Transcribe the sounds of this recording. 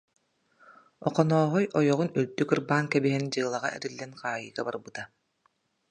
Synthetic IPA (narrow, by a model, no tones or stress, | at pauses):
ɔqɔnɔːɦɔjɔjɔʁunyld̪ykɯɾbaːŋkɛbiɦɛnd͡ʑɯːlˠaʁa̰ʔɛ̰ɾilːɛnqaːjɯːɡabaɾbɯt̪a